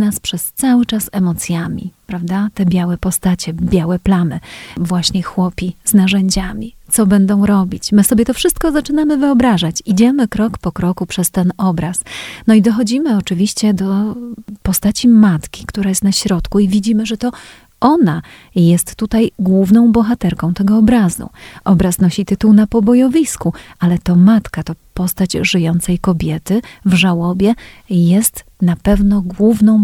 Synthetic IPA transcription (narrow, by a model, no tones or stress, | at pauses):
naspʂɛst̪sawɘt͡ʂasɛmɔt̪sʲjamʲḭpɾavd̪at̪ɛbʲjawɛpɔst̪at͡ɕɛbʲjawɛplamɘvwaɕɲɛxwɔpʲiz̥naʐɛɲd͡ʑamʲit̪sɔbɛnd̪ɔ̃w̃ɾɔbʲit͡ɕmɘsɔbʲjɛt̪ɔfʂɘst̪̚kɔzat͡ʂɘnamɘvɘɔbɾaʐat͡ɕid͡ʑɛmɘkɾɔkpɔkɾɔkupʂɛst̪ɛnɔbɾasnɔid̪ɔxɔd͡ʑimɘɔt͡ʂɘvʲiɕt͡ɕɛd̪ɔpɔst̪at͡ɕimat̪kʲi̥kt̪uɾajɛst̪naɕɾɔt̪kuivʲid͡ʑimɘʐɛt̪ɔ | ʔɔna | jɛst̪ːut̪ajɡwuvnɔ̃w̃bɔxat̪ɛɾkɔ̃w̃t̪ɛɡɔːbɾazṵʔɔbɾasnɔɕit̪ɘt̪uwnapɔbɔjɔvʲiskualɛt̪ɔmat̪kat̪ɔpɔst̪ad͡ʑʐɘjɔnt̪sɛjkɔbʲjɛt̪ɘvʐawɔbʲjɛjɛst̪napɛvnɔɡwuvnɔ̃w̃